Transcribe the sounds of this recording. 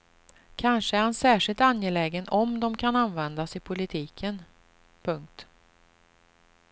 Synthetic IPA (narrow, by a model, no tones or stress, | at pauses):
kʰanʂəæɾhansæːʂɪlt̪anjɛlɛːɡənʔɔmd̪ɔmkʰananvɛnd̪asɪpʰʊlɪt̪ʰiːkʰən | pʰɵŋk̚t̪